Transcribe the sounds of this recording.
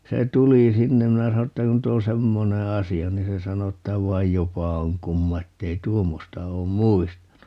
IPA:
se tuliˑ sinːem minæ sɑno tːæ nyt o semːone ɑsiɑ niːn se sɑno etːæ ʋɑij jopɑ oŋ kumːɑ etːei tuomːostɑ oːm muistɑnu

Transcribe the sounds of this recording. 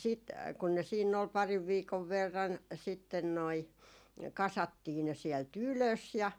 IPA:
siːt kun ne siːnː ol pɑriʋ ʋiːkoʋ ʋerːɑn sitːen noi kɑsɑtːiː ne siɛlt yløs jɑ

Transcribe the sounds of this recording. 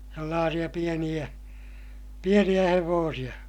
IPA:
selːɑːsij̆ɑ pienij̆æ pienij̆æ heʋoːsij̆ɑ

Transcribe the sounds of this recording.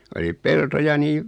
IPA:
oli peltojɑ niːʋ

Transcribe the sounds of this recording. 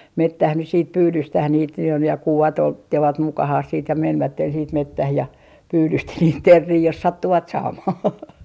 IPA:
metːæh nys siːt pyːdyːstæh niːt jo jɑ kuʋɑt otːe ʋɑt mukɑhɑh siːt jɑ menʋætːen siːt metːæh jɑ pyːdysti niːt terːiː jos sɑtːuʋɑt sɑːmɑh

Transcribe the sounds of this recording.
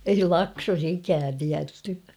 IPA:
ei lɑksos ikæːn tiætːy

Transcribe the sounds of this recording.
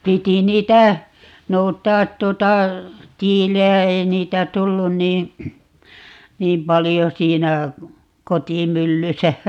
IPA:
piti niːtæ noutˑɑːt tuŏtɑ tiːlejæ ei niːtæ tulːun niː niːm pɑlijo siːnæ kotimylːysæ

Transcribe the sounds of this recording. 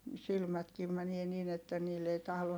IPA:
silmætkiːm mænie niːn etːæ niːlː ei tɑhlon

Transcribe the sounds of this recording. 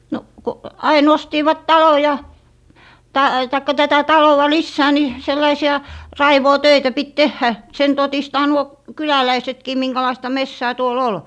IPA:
no ko ɑin ostiːʋɑt tɑlo jɑ tɑ tɑikːɑ tætæ tɑlowɑ lisːæː ni selːɑisiɑ rɑiʋoːtøitæ pit tehːæ sen totistɑː nuo kylælæisetkiː miŋkælɑistɑ mesːæː tuol ol

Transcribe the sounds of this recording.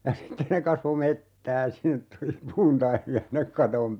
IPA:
jɑ sitːe ne kɑsʋo metːæː sinːet tuli puːntɑimiɑ sinːek kɑtom

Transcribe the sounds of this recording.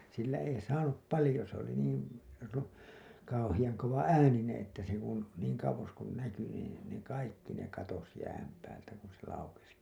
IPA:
silːæ ei sɑːnup pɑlĭjo s oli niːn̞ ru kɑuhijɑŋ koʋɑæːninẽː etːæ se kun niːŋ kɑuwos kun næky niː ne kɑikːi ne kɑtos jæːm pæːltæ kun se lɑukes

